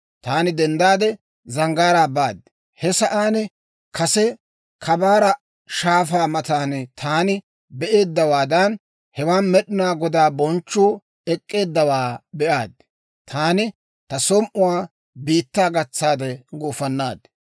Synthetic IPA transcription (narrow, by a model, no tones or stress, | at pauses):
t̪aːnɪd̪ɛnd̪aːd̪ɛ | zɐŋɡaːɾaːbaːd̪ | hɛsɐʔaːnɛ | kʰɐsɛ | kʰɐbaːɾɐ | ʃaːfaːmɐt̪aːnt̪ʰaːnɪ | bɛʔe̞ːd̪ːɐwaːd̪ɐn | hɛwaːnmɛɗɪnaːɡɔd̪aːbɔnt͡ʃːuː | ɛkʼːe̞ːd̪ːɐwaːbɛʔaːd̪ | t̪ʰaːnɪ | t̪ɐsɔmʔʊwaː | biːt̪ːaːɡɐt͡sːaːd̪ɛɡuːfɐnːaːd̪